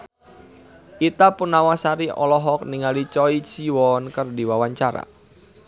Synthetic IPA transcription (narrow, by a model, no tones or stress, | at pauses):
it̪apunawasaɾiɔ̰lɔɦɔk̚niŋalit͡ʃɔisiwɔnkərdiwawaɲt͡ʃaɾa̰